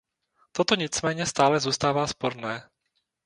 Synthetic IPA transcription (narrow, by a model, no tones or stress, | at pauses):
t̪ot̪o̞ɲɪt͡smɛːɲɛst̪aːlɛzuːst̪aːvaːspo̞ɾnɛː